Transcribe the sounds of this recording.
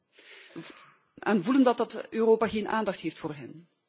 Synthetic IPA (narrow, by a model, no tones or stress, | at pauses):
ɛnvuləndɑt̚ɑtøroːpaːχeːnʔaːndɑxtɦeːftfʊːrɦɛn